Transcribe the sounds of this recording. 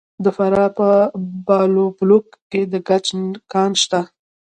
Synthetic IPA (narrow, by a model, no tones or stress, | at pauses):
d̪əfaɾɑpəbɑloblokːed̪əɡat͡ʃnkɑnʃt̪a